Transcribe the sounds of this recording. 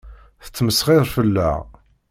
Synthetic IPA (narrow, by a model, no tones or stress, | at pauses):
θə̥t͡sːməsʁɪðˤfəlːæ̰ʁ